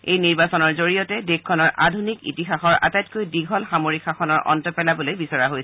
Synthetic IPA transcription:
ejniɹbasɔnɔɹzoɹijɔtɛdekkʰːɔnɔɹʔadʱunikḭtixaxɔɹʔa̰tajtkojdiɡʱɔlxamoɹikʰxaxɔnɔɹʔɔ̰ntɔpɛlabɔlojbisɔɹaɦojsɛ

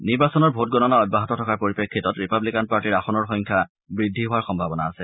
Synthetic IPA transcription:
niɹbasɔnɔɹbʱot̚ɡɔnɔnaɔbaɦɔtɔtʰɔkaɹpoɹipekʰːitɔtɹipablikanpaɹtiɹaxɔnɔɹxɔɲkʰa | bɹidʱːiɦʊaɹxɔmbʱabɔnaːsɛ

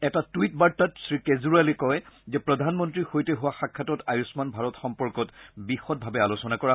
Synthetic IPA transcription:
ɛtatuit̚baɹtːatsɹikezuɹalikɔjzɛpɹɔdʱanmɔntɹixojteɦʊwaxakʰːatɔtajusmanbʱaɹɔtxɔmpɔɹkɔtbixɔt̚bʱabɛalosɔnakɔɹa

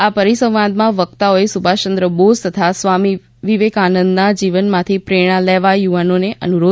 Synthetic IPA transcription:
apəɾisə̃ʋ̃ʋãnd̪mãʋəkt̪aoesubʱat͡ʃə̃nd̪ɾəbozt̪ət̪ʰasʋami | ʋiʋekanə̃nd̪nad͡ʒiʋənmãt̪ʰipɾeɽ̃ãlɛʋajuʋanoneʔə̰nuɾo

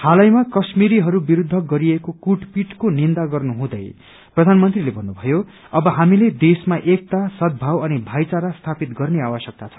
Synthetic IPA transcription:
halʌjmakʌsmiɾiɦʌɾubiɾud̪ʱːʌɡʌɾiekokuʈpiʈkonind̪aɡʌrnuɦũd̪ʌj | prʌd̪ʱanmʌnt̪rilebʱʌnːubʱʌjo | ʌbʌɦamiled̪esmaʔek̚t̪asʌd̪̚bʱawʌnibʱajt͡saɾast̪ʰapit̪ɡʌrneawʌsjʌk̚t̪at͡sʰʌ̥

